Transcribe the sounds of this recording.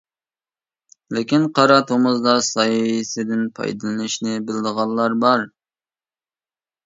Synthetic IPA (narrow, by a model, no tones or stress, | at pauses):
lɪkʲinqʰɑɾɑt̪ʰumuzd̪ɑsɑjsɪd̪ɪnpʰɑ̰jd̪ɨlˠɨnɨʃnɪbɪld̪əʁɑlˠːɑɾbɑɾ